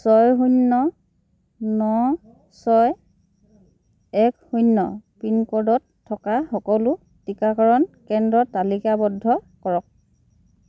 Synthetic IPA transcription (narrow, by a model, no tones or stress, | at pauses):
sɔjɦunːɔ | nɔ | sɔj | ɛkhunːɔ̰pinkɔdɔtʰːɔkaxɔkɔlʊ | tikakɔɹɔnkɛndɹɔtalikabɔdʱɔkɔɹɔk̚